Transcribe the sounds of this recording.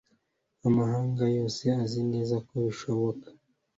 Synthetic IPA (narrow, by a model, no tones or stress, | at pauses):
amahaːŋɡajo̞ːse̞azine̞ːzakoβiʃoβokḁ